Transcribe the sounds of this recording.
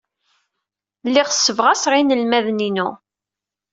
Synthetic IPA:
lːiʁsːəvʁæsʁinəlmæðninṵ

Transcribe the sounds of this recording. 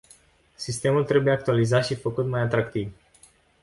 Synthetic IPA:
sist̪e̞mult̪ɾe̞buje̞ak̚t̪ualizat̪ʃifəkut̪majat̪ɾakt̪iv

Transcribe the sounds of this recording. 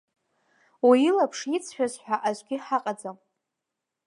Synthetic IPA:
wiilapʰʂit͡sʰħᶣazħʷᶣaʔazʷɡʲɪħaqʼad͡zam

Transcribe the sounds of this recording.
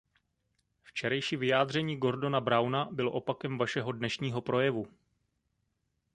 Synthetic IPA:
ft͡ʃɛɾɛjʃiːvɪjaːdr̝ɛɲiːɡo̞ɾdonabɾawnabɪloʔo̞pakɛmvaʃɛɦo̞dnɛʃɲiːɦo̞pɾo̞jɛvu

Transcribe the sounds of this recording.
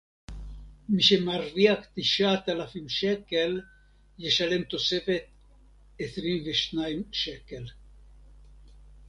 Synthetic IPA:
miʃemaɾːiakt̪iʃat̪alafimʃekel | jeʃalemt̪osefet̪̚ | esɾinveʃnajmʃekel

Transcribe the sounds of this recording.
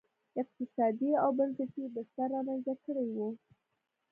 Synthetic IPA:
ɪq̚t̪ɪsɑd̪iawbanfatibəst̪aɾɑmanzakəɽejwu

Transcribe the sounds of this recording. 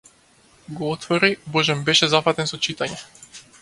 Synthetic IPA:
ɡɔɔt̪fɔɾibɔʒɛmbɛʃɛzafat̪ɛnsɔt͡ʃit̪aɲɛ

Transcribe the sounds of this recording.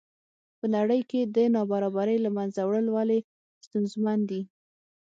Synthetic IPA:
pənaɽəjked̪ənɑbaɾɑbaɾəjlamanzawɽəlwale | st̪unzmand̪i

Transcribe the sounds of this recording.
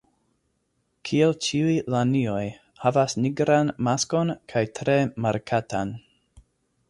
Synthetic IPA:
kʰielt͡ʃiujlanioj | havasniɡɾanmasko̞nkʰajtɾe̞maɾkʰatan

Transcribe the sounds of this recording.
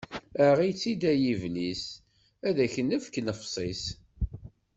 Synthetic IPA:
əʁit͡sːid̪æjivlis | æðæçənːəfknəfsˤis

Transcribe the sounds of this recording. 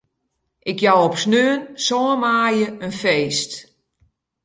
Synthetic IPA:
ʔɪkjawɔpsnøənsɔːəmaːjəənfeːst

